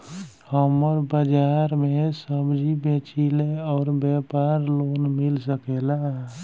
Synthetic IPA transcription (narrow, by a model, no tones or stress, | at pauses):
həməɾbəd͡ʒaːɾmesəbd͡ʒʱibẽt͡ʃileɔːɾbjɛpaːɾloːnmilsəkela